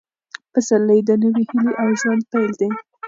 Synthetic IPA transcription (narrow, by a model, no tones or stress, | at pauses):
pasalːəjd̪ənəwihɪloʔawʒwand̪̚pajld̪e